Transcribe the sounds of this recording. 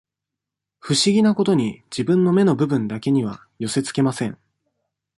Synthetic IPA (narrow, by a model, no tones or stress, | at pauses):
ɸɯ̟ɕiɡʲinako̞t̪o̞ɲ̟id͡ʑibɯ̟̃nːo̞me̞no̞bɯ̟bɯ̟̃nd̪ake̞ɲ̟iβ̞a̰ | jo̞se̞t͡sɨ̥ke̞masẽ̞ŋ